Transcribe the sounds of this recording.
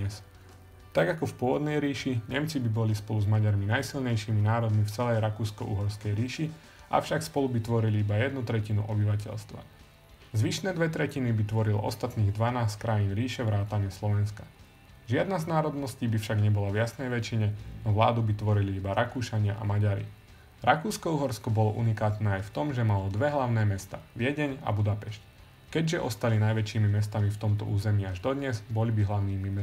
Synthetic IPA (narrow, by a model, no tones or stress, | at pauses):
ɛs | t̪aɡakɔfpʊɔʋɔd̪nɛjɾiːʃiɲɛmt͡sibibɔlispɔluzmaɟaɾminajsilɲɛjʃiminaːɾɔd̪mift͡sɛlɛjɾakuːskɔ̰ʔṵɦɔɾskɛjɾiːʃi | ʔa̰fʃakspɔlubit̪ʋɔɾiliibajɛd̪nut̪ɾɛcinṵʔɔbiʋac̬ɛ̰lst̪ʋa̰ | zʋiʃnɛːd̪ʋɛt̪ɾɛcinibit̪ʋɔɾilʔɔ̰st̪at̪niːɣd̪ʋanaːsckɾajiːnɾiːʃɛʋɾaːt̪aɲɪɛslɔʋɛnska | ʒɪad̪naznaːɾɔd̪nɔsciːbifʃaɡɲɛbɔlavjasnɛjʋɛt͡ʃiɲɛnɔʋlaːd̪ubit̪ʋɔɾiliibaɾʔakuːʃaɲɪaʔa̰maɟaɾḭ | ɾakuːskɔuɦɔɾskɔbɔlɔʔṵnikaːt̪nɛːajft̪ɔmʒɛmalɔd̪ʋɛɦlaʊnɛːmɛst̪a̰ːʋɪɛɟɛɲa̰bud̪apɛʃc | kɛɟʒɛʔɔst̪alinajʋɛt͡ʃiːmimɛst̪amift̪ɔmt̪ɔ̰ʔuːzɛmiaʒd̪ɔd̪ɲɛzbɔlibiɦlaʊniːmimɛ